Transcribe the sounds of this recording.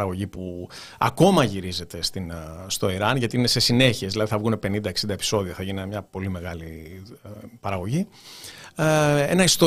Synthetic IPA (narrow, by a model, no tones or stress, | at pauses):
ɾɐɣo̞ʝipu | ɐ̰ko̞mɐʝiɾize̞t̪e̞st̪inst̪o̞iɾɐnʝɐt̪iine̞se̞sine̞çie̞zðilɐðiθɐvɣunepe̞nind̪ɐe̞ksind̪epi̥so̞ðioθɐʝinimɲɐpo̞lime̞ɣɐli | pɐɾɐɣo̞ʝi | e̞̰nɐist̪o